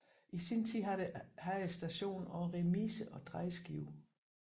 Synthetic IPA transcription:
isint͡sʰið̰ɦæsd̥æɕo̝̰ːnɒʊʁɛmiːsəʔɒ̽d̥ʁɑ̈ɪsɡ̥ḭʊ

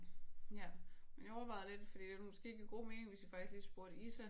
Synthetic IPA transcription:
jæmenjæɒʊɐʋɑ̈ɪðˠle̝d̥fɒd̥ḭːd̥e̝ʋmo̽sɡ̥e̝̰ːeɡ̥əɡ̥o̝̰ːme̝ːne̝ŋʋesd̥ifɑ̈ɡ̥isliːsb̥uɐ̰ɾ̥əisæ

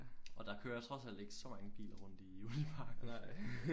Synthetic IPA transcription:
ʔɒ̽d̥ɑ̈kʰøːɐt͡sʰʁɒ̽sæl̰d̥e̝ɡ̥əsɒ̽mɑ̈ŋəb̥ḭːlɐʁɔ̽n̰d̥iulipʰɑ̈ːɡ̥

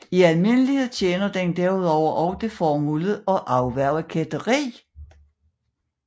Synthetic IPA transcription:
iælme̝nəlihe̝ð̞̰ˠt͡ɕʰeːnɐd̥end̥æɐ̰uð̞̰ˠɒʊ̰ɐʔɒʊd̥e̝fɒːmuləð̩ˠɒ̽ʔɑ̈ʊʋæɐ̰kʰed̥ɐʁḭː

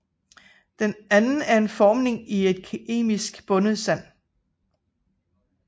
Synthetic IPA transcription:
d̥enænn̩æɐe̝nfɒːmne̝ŋie̝d̥̚kʰe̝̰ːmisɡ̥b̥ɔ̽nəð̩ˠsæn̰

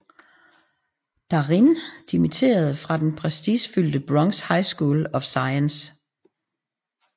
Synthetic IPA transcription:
d̥ɑ̈ʁind̥imit͡sʰe̝̰ːɐð̞̩ˠfʁɑ̈d̥enpʰʁɛsd̥isfyl̰d̥əb̥ʁɒ̽ŋshɑ̈ɪsɡ̥uːlɒ̽fsɑ̈ɪəns

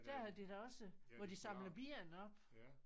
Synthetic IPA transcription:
d̥æɐhæðˠd̥id̥æɒ̽səʋɒd̥isɑ̈mləðˠb̥iɐnɒ̽b̥

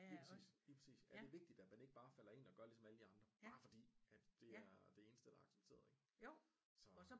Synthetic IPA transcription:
liːpʰʁɐsḭːsliːpʰʁɐsḭːsæɐde̝ʋe̝ɡ̥̚d̥id̥ædmæne̝ɡ̥b̥ɑ̈ːfælɐe̝nɒ̽ɡ̥ɶɐlisɒ̽mæləd̥iɑ̈nd̥ʁɐb̥ɑ̈ːfɒ̽d̥ḭːæd̥d̥e̝æɐd̥e̝e̝ːnəsd̥əd̥ɑ̈ɑ̈ɡ̥se̥b̥̚t͡sʰe̝̰ːɐð̩ˠeɡ̥ | sɒ̽

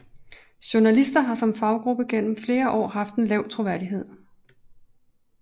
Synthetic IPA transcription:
ɕo̝nælisd̥ɐɦɑ̈sɒ̽mfɑ̈ʊɡ̥ʁub̥əɡ̥en̰m̩fle̝ːɐʔɒ̰ːɦɑ̈fd̥e̝nlɛʊ̰t͡sʰʁo̝ʋæɐdiɦe̝ð̰ˠ

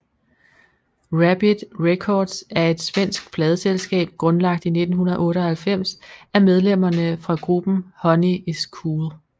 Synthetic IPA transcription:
ʁæb̥id̥ʁekʰɒːd̥sæɐe̝d̥sʋen̰sɡ̥fʰlɛːð̞ˠəselsɡ̥ɛ̰ːb̥̚ɡ̥ʁɔ̽nlɑ̈ɡ̥̚d̥ine̝d̥n̩hunɐð̩ˠʔɔ̽ːɾəɒ̽hælfem̰sæɐmeð̞ˠlem̰ɐnəfʁɑ̈ɡ̥ʁub̥n̩hɒ̽nieskʰuːl

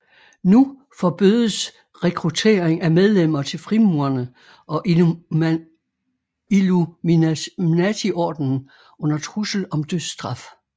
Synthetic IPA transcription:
nu | fɒ̽b̥yðˠəs | ʁɛkʰʁut͡sʰe̝̰ːɐeŋæmeð̞ˠlem̰ɐt͡sʰe̝lfʁimuɐnə | ʔɒ̽ʔ | iluminæt͡sʰiʔɒ̰ːd̥nn̩ | ɔ̽n̰ɐt͡sʰʁusl̩ɒ̽md̥øðˠsd̥ʁɑ̈f

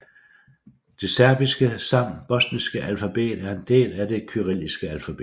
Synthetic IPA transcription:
d̥e̝sæɐb̥isɡ̥əsɑ̈m̰b̥ɒ̽snisɡ̥əʔælfæb̥e̝̰ːd̥æɐe̝nd̥e̝̰ːlæd̥e̝kʰyʁil̰isɡ̥əælfæb̥e̝̥ː

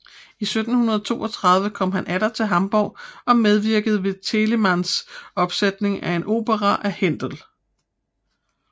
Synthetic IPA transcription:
isød̥n̩hunɐð̞ˠɒt͡sʰo̝̰ːɒ̽t͡sʰʁɑ̈ð̞ˠʋəkʰɒ̽m̰ɦænʔæɾɐt͡sʰe̝lɦɑ̈mb̥ɒʊɒ̽með̞ˠʋiɐɡ̥əð̞̩ˠəʋe̝t͡sʰe̝lemænsɒ̽b̥sed̥ne̝ŋæe̝no̝̰ːb̥əʁɑʔæhen̰d̥l

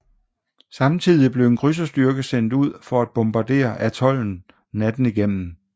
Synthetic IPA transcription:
sɑ̈mt͡sʰið̰ˠib̥le̝ʊe̝nɡ̥ʰʁys̬ɐsd̥yɐɡ̥əsen̰d̥uð̰ˠfɒ̽æd̥̚b̥omb̥ɑ̈d̥e̝̰ːɐʔæt͡sʰɒ̽l̰n̩ | næd̥n̩iɡ̥en̰m̩

